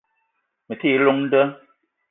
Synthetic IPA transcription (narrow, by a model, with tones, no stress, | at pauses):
mə˨ti˦˨˦lo˦ŋn̩˦də˦